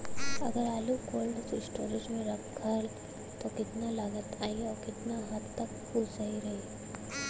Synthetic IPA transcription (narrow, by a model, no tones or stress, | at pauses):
ɐ̰ɡəɾaːlukoːlɖssʈoːɾɪd͡ʒmẽɾɐbkʰɐɾl | t̪okɪt̪nalaːɡət̪ʰaːiɔːɾkɪt̪naɦɐt̪t̪ɐk̚kusɐɦiɾɐɦi